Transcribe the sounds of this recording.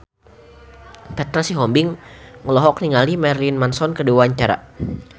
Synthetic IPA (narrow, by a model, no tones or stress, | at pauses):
pɛt̪ɾasiɦɔmbɪŋŋəlɔɦɔk̚niŋalimɛrlinmansɔnkəduwaɲt͡ʃaɾa̰